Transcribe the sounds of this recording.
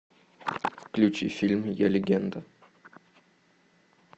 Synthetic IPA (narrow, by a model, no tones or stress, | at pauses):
klʲut͡ɕḭfʲilʲmjelʲeɡʲend̪ə